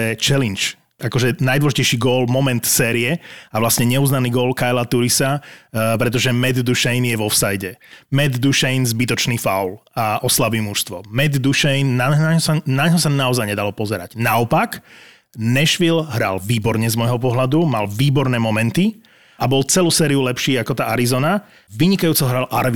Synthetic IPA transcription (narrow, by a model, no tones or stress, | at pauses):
ɛt͡ʃɛlint͡ʃ | akɔʒɛnajd̪wɔlɔʒicɛjʃiːɡɔlmɔmɛnt̪sɛːɾiɛaʋlasɲɛɲɛuːznaniːɡɔlkajlat̪uɾisapɾɛt̪̬ɔʒɛmɛd̪d̪uʃɛjnjɛʋɔfsajɟɛmɛd̪d̪uʃɛjnzbit̪ɔt͡ʃniːfa̰ʊlaʔɔslabiːmuʃst̪ʋɔmɛd̪d̪uʃɛjnːaaɲɦɔsanaɲɦɔsanaɔzajɲɛd̪alɔpɔzɛɾa̰ɟ̥naɔpak | nɛʃʋilɦɾa̰lʋiːbɔɾɲɛzmɔjɦɔpɔɦlad̪umalʋiːbɔɾnɛːmɔmɛnt̪i | abɔlt͡sɛluːsɛːɾiulɛpʃiːakɔt̪aːʔaɾizɔna | ʋiɲikajuːt͡sɔɦɾalʔaɾʋi